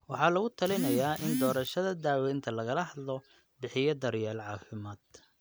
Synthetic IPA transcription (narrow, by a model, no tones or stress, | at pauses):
wɑħɑːlɐɣʊt̪ʰɐlɪnɐjaːʔɪnd̪ɔːɾɐʃɐðɐd̪aːwɛjnt̪ʰɐlɐɣɐlɐɦɐd̪lɔ | bɪħɪjɐd̪ɐɾjaːlʕɑːfɪmaːd̪̥̚